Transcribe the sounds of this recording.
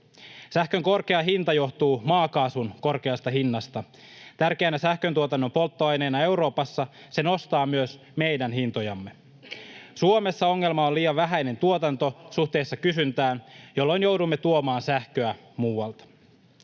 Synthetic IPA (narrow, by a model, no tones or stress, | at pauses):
sæhkø̞ŋko̞rke̞ɑɦint̪ɑjo̞ht̪uːmɑːkɑːsunko̞rke̞ɑst̪ɑɦinːɑst̪ɑ | t̪ærkeːnæsæhkønt̪uot̪ɑnːo̞mpo̞lt̪ːoɑjne̞ːnɑe̞wɾo̞ːpɑsːɑ | se̞no̞st̪ɑːmyøs | me̞jdænɦint̪o̞jɑmːe̞ | suome̞sːɑoŋːe̞lmɑonliːjɑʋʋæɦæjne̞nt̪uot̪ɑnt̪o̞suht̪e̞ːsːɑkysynt̪æːnjo̞lːo̞jnjo̞wdumːet̪uomɑːnsæhkøæ | muːwɑlt̪ɑ̥